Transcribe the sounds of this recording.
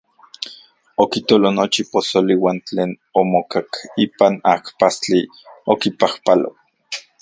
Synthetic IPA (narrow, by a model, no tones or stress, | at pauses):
okit̪olonot͡ʃiposoliwaːnt͡ɬeːn | omokakiːpanakpast͡ɬi | okipahpalo̰